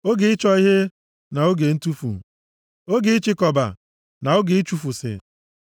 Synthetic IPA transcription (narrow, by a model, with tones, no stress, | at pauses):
o˦ɡe˨ɪ˦t͡ʃɔ˦i˦ɦe˦ | na˨o˦ɡe˨n̩˦tu˦fṵ˨ | o˦ɡe˨˦i˦t͡ʃɪ˦kɔ˨ba̰˨ | na˨o˦ɡe˨i˦t͡ʃu˦fu˨sɪ̰˨